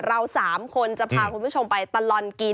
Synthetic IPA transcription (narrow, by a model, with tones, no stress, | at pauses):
ɾa˧wsaː˩˦mkʰo˧nt͡ɕa˨˩pʰaː˧kʰu˧npʰu˥˩t͡ɕʰo˧mpa˧jt̪a˧lɔ˧˩nki˧